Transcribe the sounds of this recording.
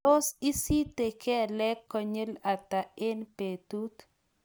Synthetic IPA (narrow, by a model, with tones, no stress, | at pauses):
o˦si˦si˦t̪e˨kʰɛ˦˨lɛ˦kːɔ˨ɲe˦la˨t̪a˨ɪ˦npe˨t̪u˦t̪